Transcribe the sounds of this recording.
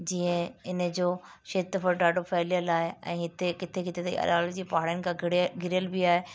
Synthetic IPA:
d͡ʑiːə̃ɪnə̆d͡ʑoː | ʃeːt̪ːəfəɾɖaːɖʱofɛːlijəlaːɦeɛ̰̃ːɦɪt̪ekɪt̪ʰekɪt̪ʰet̪ɐḭʔɐ̰laːld͡ʑiːpɐɦaɽjənɪ̆kʰãɡɪɡʱɪɾɪjəlbiaːɦe

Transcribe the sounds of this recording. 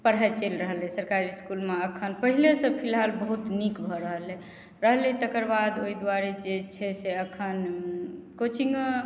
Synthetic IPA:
pəɽ̤aet͡ʃelɾəɦəlesəɾkaɾiskulmeəkʰənpəɦilesə̃pʰilɦalbəɦut̪nikbʱɔɾəɦəle | ɾəɦlet̪əkəɾbad̪oid̪waɾed͡ʒet͡ʃʰɛseəkʰən | kot͡ʃʰiŋɡ

